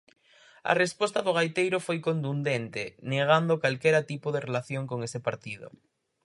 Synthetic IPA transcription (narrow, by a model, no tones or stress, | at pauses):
ɐ̰respɔst̪ɐðoɣajt̪ejɾofojkont̪und̪ent̪eneɣ̞and̪okalkɛɾat̪ipoðerelaθjoŋkoŋesepaɾt̪iðo̰